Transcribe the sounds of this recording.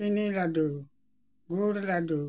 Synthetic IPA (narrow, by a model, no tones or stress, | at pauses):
inilado | ɡuɾlado